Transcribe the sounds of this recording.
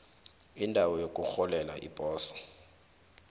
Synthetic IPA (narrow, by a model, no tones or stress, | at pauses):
indʱawɔjokʼuxɔlɛla̰ʔḭpʼɔːsɔ̥